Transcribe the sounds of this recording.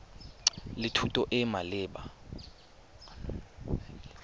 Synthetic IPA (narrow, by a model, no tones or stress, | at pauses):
litʰutʼɔʔɛmalɪːɓa